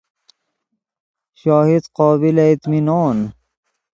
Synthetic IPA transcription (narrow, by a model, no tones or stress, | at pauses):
ʃoːhid̪qoːbilait̪minoːn